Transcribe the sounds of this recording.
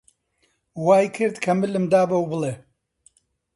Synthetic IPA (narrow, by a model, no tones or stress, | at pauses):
waːjkʰɨɾd̪kʰɐmɨlɨmd̪aːbɐwbɨlˠe